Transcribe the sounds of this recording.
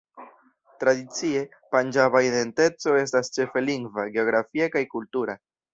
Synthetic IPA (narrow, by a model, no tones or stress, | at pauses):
tɾadit͡sie̞ | pand͡ʒaβaiðe̞nte̞t͡so̞e̞stast͡ʃe̞fe̞liŋɡvaɡe̞o̞ɡɾafiakajkultuɾa